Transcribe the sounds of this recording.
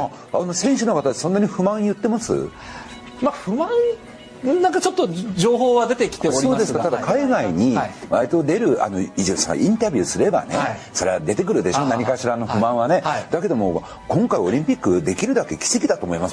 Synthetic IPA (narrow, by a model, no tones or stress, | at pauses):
ano̞sẽɰ̃ɕɨno̞kat̪at̪ːsõ̞nːaɲ̟iɸɯ̟mãɰ̃jɯ̟t̪ːe̞masɨ̰ | maɸɯ̟mã | nãŋkat͡ɕo̞t̪ːod͡ʑo̞ːɦo̞ːβad̪e̞t̪e̞kʲi̥t̪eoɾioːdesɨkat̪ad̪akaiɡaiɲ̟iβaɾʲit̪o̞d̪e̞ɾɯ̟a̰no̞iʑisã̰a̰ʔĩnt̪abʲɯ̟sɨɾe̞ba̰ne̞so̞ɾe̞βad̪e̞t̪e̞kɯ̟ɾɯ̟d̪e̞ɕo̞naɲ̟ikaɕiɾaːno̞ɸɯ̟mãɰ̃βane̞d̪̥ake̞d̪o̞mo̞ | kõ̞ŋkaioɾʲĩmpʲikːɯd̪e̞kʲiɾɯ̟d̪ake̞kʲi̥se̞kʲid̪at̪o̞ːmoimas